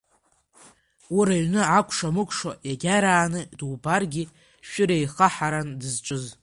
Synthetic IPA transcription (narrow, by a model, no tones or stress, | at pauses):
uɾaɥnɨʕakʷʰʼʂamɨkʷʰʼʂojaɡʲaɾaːnɨdwbarɡʲi | ʃᶣʊɾejχaħaɾandɨzt͡ʃʷʼɨz